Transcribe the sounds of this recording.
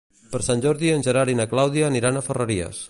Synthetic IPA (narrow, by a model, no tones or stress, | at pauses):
pəɾsanʲʒɔɾðiənʲʒəɾaɾinaklawðiaːniɾanəfərəɾiə̰s